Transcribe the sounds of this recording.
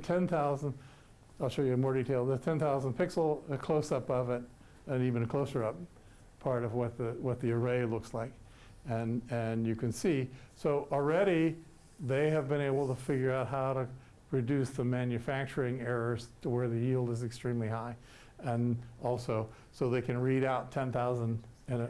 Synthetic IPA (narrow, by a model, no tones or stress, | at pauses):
tʰɛ̃nθaʊzə̃nd | aɪlˠʃʊɹjəmɔɹditʰeɪlˠd̪ðəztʰɛ̃nθaʊzə̃n̩pʰɪksl̩ˠɨkʰl̥oʊsʌpʌvɪɾ | ɨ̃nivɨ̃nɨkʰl̥oʊsə˞ʌp | pʰɑɹɾʌvwʌt̪̚ðɨwʌt̪̚ðiə˞eɪlʊkslaɪk | ɨ̃nɨ̃njɨkʰɨ̃nsisoʊʔl̩ˠɹɛɾi | ðeɪɨvbɨ̃ɾ̃eɪbl̩ˠtəfɪɡjə˞aʊt̚ɦaʊɾɨ | ɹɨdʉsðəmæ̃njɨfæk̚t͡ʃə˞ɪ̃ŋɛɹə˞z̥tʰəwə˞ðɨjilˠdəzɨkstɹ̥ĩmlihaɪ | ɨ̃nʔɔlˠsoʊ | soʊðeɪkʰɨ̃nɹiɾaʊtʰɛ̃nθaʊzə̃ndɨ̃n